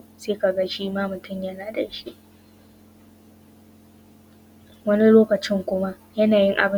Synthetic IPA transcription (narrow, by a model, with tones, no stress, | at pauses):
seː˦ka˨ɡɐ˦ʃiː˦maː˦mʊ˨tʊ˦mjɐ˦naː˦dɐ̰˨ʃi˦ʔ | wɐ˦ni˦loː˦kɐ˨t͡ʃɪ˦ŋkʷʊ˦ma˦ʔjɐ˦naː˨jɪ˦ŋʔa̰˨bɪ˦